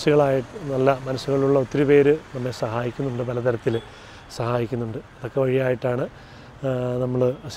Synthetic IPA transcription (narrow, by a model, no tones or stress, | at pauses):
suɣɐɭaːjiʈːɨnɐlːɐmɐnɐsːuɣɐɭuɭːɐot̪ːiɾupe̞ːɾɨnɐmːesɐɦaːjikʲːunːuɳɖɨpɐlɐt̪ɐɾɐt̪ːil | sɐɦaːjikʲːunːuɳɖɨɐðo̞kːe̞ʋɐɻijaːjiʈːaːɳɨ | nɐmːɐɭs